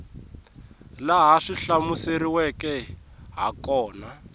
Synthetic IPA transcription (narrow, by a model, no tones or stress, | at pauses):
laɦaʂiɬamuseɾiwɛkɛɦa̰kɔːna